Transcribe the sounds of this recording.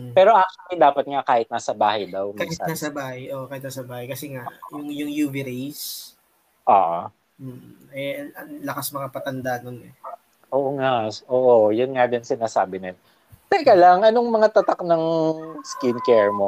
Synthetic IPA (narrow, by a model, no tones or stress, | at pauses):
pɛːɾo̞ʔak̚t͡ʃɐlid̪aːpɐt̪̚ŋakaːhɪt̪̚naːsɐbaːhɐjd̪ɐwmkahɪtanasɐbaːhɐjʔoʔkaːhɪt̪nasɐbaːhɐjkɐsɛŋaʔjʊŋjʊŋjuviɾejs | ʔo̰ːʔo | m̩ː | ɛɐlɐkasmɐŋapɐt̪ɐnd̪aʔnonɛ | ʔoːʔoŋaʔoːʔojʊnŋad̪ɪŋsɪnaːsaːbɪnɪn | t̪ɐjkalɐŋʔɐnoŋmɐŋat̪ɐt̪ak̚nɐŋskɪnkɛɹmo̞